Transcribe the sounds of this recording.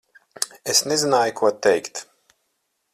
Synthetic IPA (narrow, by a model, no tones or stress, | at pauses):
esnezinaːjukuɔt̪ɛjkt̪